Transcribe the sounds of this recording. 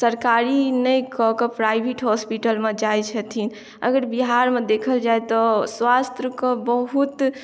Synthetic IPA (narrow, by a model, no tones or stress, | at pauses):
səɾkaɾinəjkɔkepɾajbʱiʈɦɔspiʈəlmed͡ʒajt͡ʃʰət̪ʰin | ə̰ɡəɾbiɦaɾmed̪ekʰəld͡ʒajt̪ɔswast̪ɾəkɔbəɦut̪